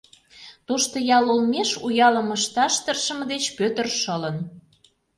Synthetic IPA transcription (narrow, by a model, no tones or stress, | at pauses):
t̪oʃt̪ŏjɑlulmeʃujɑlə̆məʃt̪ɑʃt̪ərʃə̆məd̪et͡ɕpøt̪ə̆rʃɤlən